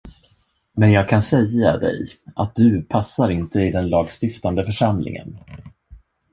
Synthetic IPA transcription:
mɛnjɑːɡ̚kʰansɛjːad̪ɛ̰jʔat̪̚d̪ɵpʰasːaɾɪnt̪ʰəɪd̪ɛnlɑːɡst̪ɪft̪and̪əfœʂamlɪ̰ŋə̰n

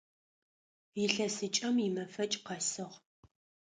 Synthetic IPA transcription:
jɪɬɐsɨt͡ʃʼɐmjɪmɐfɐt͡ʃʼqɐsɨʁ

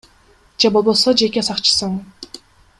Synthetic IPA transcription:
d͡ʒebo̞lˠbo̞sod͡ʒe̞kʲisɑqt͡ʃɯ̥sɯɴ

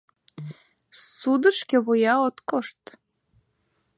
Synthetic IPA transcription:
sud̪əʃkĕβojɑot̪koʃt̪

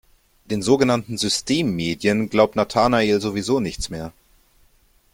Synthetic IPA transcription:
d̥eːnzoːɡənantn̩zʏstʰeːmːeːdjənɡlaʊp̚tnatʰaːnaeːlzovizoːnɪçt͡smeːɐ

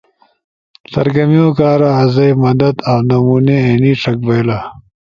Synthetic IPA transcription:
sɐ̰ɾɡɐmiõːkaːɾaɦɐzɐjmɐd̪ɐd̪awnɐmuːneeːniːʈ͡ʂʰɐk̚bɐjla

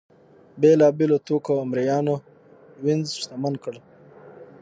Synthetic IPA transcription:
belɑbelot̪okoamɾijɑːno | wɪnzʃt̪amankəɽ

